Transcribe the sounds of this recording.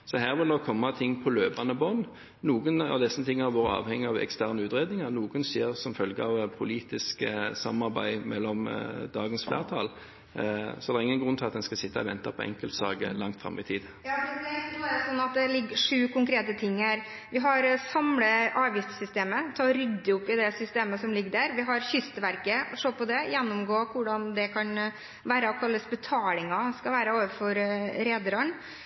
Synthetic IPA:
sɔɦæːʁʋɪld̪oːkʰɔmːɑt̪ʰɪŋːpʰɔløːpɑnəbɔn | nuːɡənɑ̰ʋd̪ɛsənt̪ʰɪŋːɑʋʋoːʁəɑ̰ːʋhɛŋːəɑʋɛ̰kst̪ʰæʁnəʉːt̪ʁeːd̪nɪŋɑʁnuːɡənseːʁsɔmfœlɡəɑʋpʰʊliːt̪ɪsksɑ̰mɑʁbæ̰ɪmɛlːɔmd̪ɑːɡənsflæ̰ːʁt̪ʰɑ̰ːl | sɔɛd̪ɛʁɪŋːənɡʁʉnt̪ɪlɑt̪̚d̪ɛnskɑsɪt̪ːɑɔʋɛnt̪ɑpʰɔɛ̰ŋkəlt̪sɑ̰ːɡə̰lɑŋt̪fʁɑ̰mːɪ̰t̪ʰiːd̪ | jɑːfɛd̪ɛnɔːæɾsɔnːɑt̪̚d̪ɛlɪɡːəʂʉːkʊŋkʰɾeːt̪ət̪ʰɪŋːəɾʋɪɦɑɾsɑmləʔɑːʋɪst̪sʏst̪eːmət̪ʰɑːɾʏɡd̪əʊpːɪd̪ɛsʏst̪eːməsɔmlɪɡːəɖæɾʋɪɦɑɾçʏst̪əʋæɾkəʂoːpɔd̪ɛjɛnːɔmɡoːkʊɖɑnd̪ɛkʰɑn | ʋæːɾəɔkʰɑlːəsbɛt̪ʰɑːlɪŋɑskɑʋæːɾəoːʋəɾfɔɾɾeːd̪ɾɑn

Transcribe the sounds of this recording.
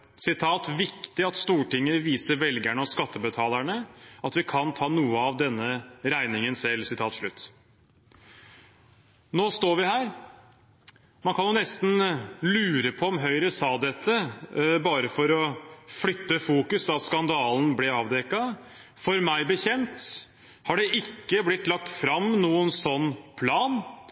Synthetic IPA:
sɪt̪ʰɑːt̪ʋɪkt̪ɪɑt̪st̪uːʈɪŋːəʋiːsəɾʋɛlɡæɳɔskɑt̪ːəbət̪ʰɑːlæɳəɑt̪ʋɪkʰɑnt̪ʰɑːnuːəɑʋd̪ɛnːəɾæɪnɪŋənsɛlːsɪt̪ʰɑːt̪ʂɭʉt̪ː | noːst̪oːɾʋɪɦæːɾ | mɑnkʰɑnjʊnɛst̪n̩lʉːɾəpʰɔɔmɦœʏɾəsɑːd̪ɛt̪ʰːəbɑːɾəfɔɾɔflʏt̪ːəfuːkʉsɑt̪skɑnd̪ɑːln̩blɛɑːʋd̪ɛkɑ | fɔɾmæɪbəçɛnt̪ | hɑɖɛʔɪkːəblɪt̪lɑk̚t̪fɾɑmnuːənsɔnːpʰlɑːn

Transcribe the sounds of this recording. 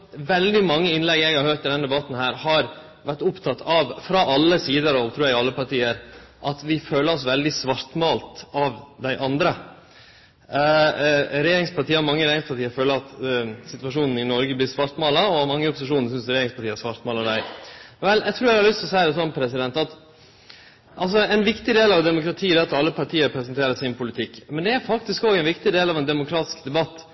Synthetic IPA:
ʋɛld̪ɪmɑŋːəɪnlɛɡɛɡhɑɾhøːʈ̪ɪd̪ɛnd̪ɛbɑt̪ːn̩hæːɾhɑɾ | ʋæʈʊpt̪ʰɑt̪ʰːɑʋfɾɑʔɑlːəsiːd̪əɾɔʋt̪ʰɾuːjæɡɑlːəpɑʈiːəɾ | ʔɑt̪ʋɪføːləɾɔsʋɛld̪ɪsʋɑɾt̪mɑːlt̪ɑʋd̪æɪʔɑnd̪ɾə | ɾɛjeːɾɪŋspʰɑʈiːəɑmɑŋːəɾɛjeːɾɪŋspʰɑʈiːəɾføːləɾɑt̪sɪt̪ʋɑʂuːnn̩ɪnɔɾɡəblɪɾsʋɑɾt̪mɑːlɑɔɑmɑŋːəɔpːʊsɪʂuːnəsʏnsɾɛjeːɾɪŋspɑʈiːəæsʋɑɾt̪mɑːlɑɖ̪æɪʋɛljæɪt̪ʰɾuːɾæhɑɾlʏst̪ʰɔsæɪd̪ɛs̬ɔnːpʰɾɛsɪd̪ɛnt̪ɑt̪ | ʔɑls̬ɔɛnʋɪkt̪ɪd̪eːlɑʋd̪ɛmʊkɾɑt̪ʰiːd̪ɛːɑt̪ɑlːəpʰɑʈʰiːəɾpʰɾɛsənt̪ʰeːɾəsɪnpʊlɪt̪ʰɪkːmɛnd̪ɛæɾfɑk̚t̪ɪskɔɡɛnʋɪkt̪ɪd̪eːlɑʋɛnd̪ɛmʊkʰɾɑːt̪ɪ̥skd̪ɛbɑt̪ː

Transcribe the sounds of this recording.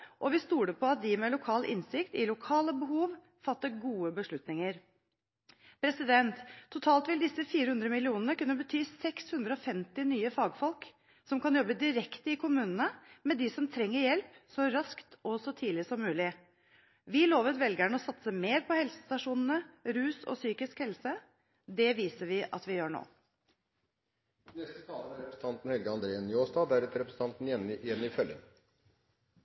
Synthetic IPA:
ʔɔʋɪst̪uːɖəpʰɔɑt̪̚d̪ɪmɛlʊkʰɑːlʔɪ̰nsɪkt̪ɪlʊkʰɑːləbəɦuːʋ | fɑt̪ːəɾɡuːəbəʂɭʉt̪nɪŋəɾ | pʰɾɛsɪd̪ɛnt̪ʰːʊt̪ʰɑːlt̪ʋɪld̪ɪsəfiːɾəhʉnd̪ɾəmɪlɪuːnənəkʉnːəbət̪ʰyːsɛkshʉnd̪ɾəɔfɛmt̪ɪnyːəfɑːɡfɔlk | sɔmkɑnjɔbːəd̪ɪɾɛkt̪əɪkʰʊmʉːnənəmɛd̪ɪsɔmt̪ʰɾɛŋːəɾjɛlpsɔɾɑskt̪ʰɔsɔt̪ʰiːlɪsɔmʉːlɪ | ʋɪloːʋət̪ʋɛlɡæɳəɔsɑt̪səmeːɾpʰɔhɛlsə̥st̪ɑʂuːnn̩əɾʉːsɔ̰syːkɪskhɛlsə | d̪ɛʋiːsəɾʋɪʔɑ̰t̪ʋɪjøːɳo̰ː | nɛst̪əst̪ʰɑːləæɾɛpɾəsn̩ʰɑnt̪n̩hɛlɡəɑnd̪ɾeːənjoːsd̪ɑːd̪æɾɛt̪əɾɛpɾəsn̩t̪ɑnt̪nɪɛnɪjɛnːɪfœlɪ̰ŋ

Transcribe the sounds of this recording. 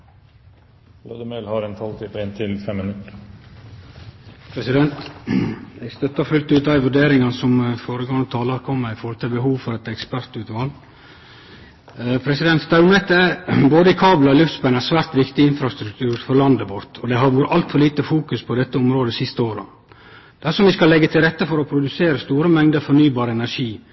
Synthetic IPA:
lɑ̰d̪əmelhɑɾɛnt̪ʰɑlt̪ʰɪpəɛnt̪ʰɪlfɛmːɪnʉt̪ə | pʰɾɛsɪd̪ɛnt̪ | ɛɡst̪œt̪ːɑfʉlt̪ʉːt̪̚d̪æɪʋʉɖeːɾɪŋɑnsɔmfoːɾəɡɑŋt̪ʰɑːlɑɾkʰɔmːəɪfɔɾhɔlt̪ʰɪlbəɦuːʋfɔɾɛt̪ɛkspæɾt̪ʉːt̪ʋɑl | pʰɾɛsɪd̪ɛnt̪st̪ɑʉnɛt̪ːæboːd̪əɪkʰɑːblɑɔlʉft̪sbɛnæsʋæːɾt̪ʋɪkt̪ɪɪnfɾɑst̪ɾʉk̚t̪ʰʉːɾfɔɾlɑnd̪əbɔɾt̪ʰɔd̪ɛɦɑɾʋuːɾəɑlt̪fɔɾɭliːt̪əfuːkʉspʰɔd̪ɛt̪ːəɔmɾoːd̪əsɪst̪əoːɾə̰ | d̪̥æʂɔmʋɪskɑlːɛɡːət̪ʰɪlɾɛt̪ːəfɔɾɔpʰɾʊd̪ʉseːɾəst̪uːɾəmɛŋd̪əfɔɾnyːbɑːɾəɛnæʂiː

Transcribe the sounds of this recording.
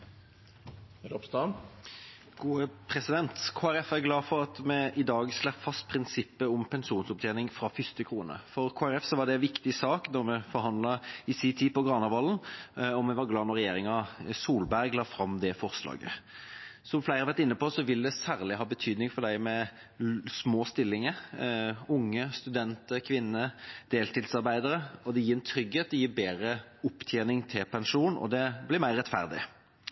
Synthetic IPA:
ɾɔpst̪ɑ | ɡ̥uːəpʰɾɛsɪd̪ɛnt̪kʰoːæɾɛfæɾɡlɑːfɔɾɑt̪mɛʔɪd̪ɑːɡslɛpfɑst̪̚pʰɾɪnsɪpːəʊmpʰɛnsuːnsɔp̚t̪ʰeːnɪŋfɾɑfʏst̪əkʰʁuːnə̰fɔɾkʰoːæɾɛfsɔʋɑɖ̪ɛʋɪkt̪ɪsɑːknɔɾmɛfɔɾɦɑnd̪lɑɪsiːt̪ʰiːpɔɡʁɑːnɑʋɑːlnɔmɛʋɑɾɡlɑːnɔʁɛjeːɾɪŋɑsuːlbæɾɡlɑːfɾɑmd̪ɛfɔɾslɑ̰ːɡə̰ | sɔmflæɪʁəɑʋæʁt̪ɪnːəpɔsɔʋɪld̪ɛsæːʁlɪɦɑːbət̪ʰyːd̪nɪŋfɔd̪æɪmɛ | smoːst̪ɪlːɪŋə | ʊŋːəst̪ʉd̪ɛnt̪əɾkʰʋɪnːəd̪̥eːlt̪ɪlsɑɾbæɪd̪əɾəɔd̪ɛjiːɛnt̪ʰɾʏɡheːt̪̚d̪ɛjiːɾbeːɾəʊpːt̪ʰjeːnɪŋt̪ʰɪlpʰɛnʂuːnɔ̰d̪ɛblɪmæɪɾːɛt̪fæ̰ɾd̪ɪ̰

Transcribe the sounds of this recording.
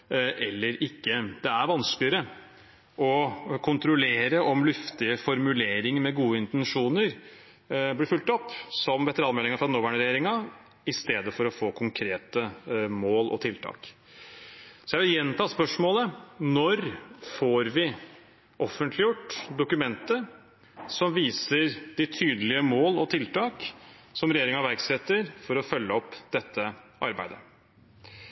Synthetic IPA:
ʔɛlːəɾɪkːəd̪̥ɛæɾʋɑnsklɪəɾə | ʔɔkʰʊnt̪ɾʊleːɾəʔɔmlʉft̪ɪəfɔɾmʉleːɾɪŋmɛɡuːəɪnt̪ɛnʂuːnəɾ | blɪɾfʉlt̪ɔpːsɔmʋɛt̪əɾɑːnmɛlːɪŋɑfɾɑd̪ɛnoːʋæɳəɾɛjeːɾɪŋɑ | ɪst̪eːd̪əfɔɾɔfoːkʰʊŋkʰɾeːt̪əmoːlʔɔ̰t̪ʰɪlt̪ʰɑ̰ːk | sɔjæɪʋɪljɛnːt̪ʰɑːspœʂmoːlənɔɾfoːɾʋɪ | ʔɔfənt̪lɪjʊʈːd̪ʊkʉmɛnt̪ə | sɔmʋiːsəɾd̪ɪt̪ʰyːd̪əlɪəmoːlɔt̪ʰɪlt̪ɑːksɔmɾɛjeːɾɪŋɑʋæɾksɛt̪ːəɾfɔɾɔfœlːəɔpːd̪ɛt̪ʰːəʔɑɾbæ̰ɪd̪ə

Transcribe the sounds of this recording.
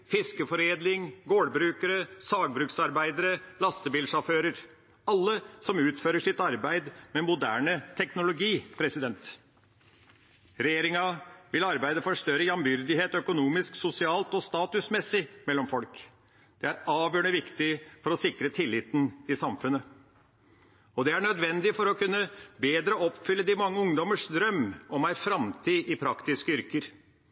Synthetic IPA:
fɪskəfɔɾeːd̪lɪŋɡoːɽbɾʉːkəɾəsɑːɡ̚bɾʉːksɑɾbæɪd̪əɾəlɑst̪əbiːlʂɑføːɾəɾ | ɑlːəsɔmʉːt̪føːɾəʂɪt̪ɑɾbæɪd̪mɛmʊd̪æ̰ːɳət̪ʰɛknʊlʊɡiːpʰɾɛsɪd̪ɛnt̪ | ɾɛjeːɾɪŋɑʋɪlɑɾbæɪd̪əfɔʂt̪œɾəjɑmbʏɾd̪ɪɦeːt̪œkʊnuːmɪsksʊsɪɑːlt̪ɔst̪ɑːt̪ʉsmɛsɪmɛlːɔmfɔlk | d̪̥ɛæɾɑːʋjøːɳəʋɪkt̪ɪfɔɾɔsɪkɾət̪ʰɪlːɪt̪n̩ɪsɑmfʉnːə | ɔd̪ɛæɳœd̪ʋɛnd̪ɪfɔɾɔkʰʉnːəbeːd̪ɾəɔpfʏlːəd̪ɪmɑŋːəʊŋd̪ɔməʂd̪ɾœmːɔmæɪfɾɑmt̪ʰiːʔɪpʰɾɑkt̪ɪskəʏɾkəɾ

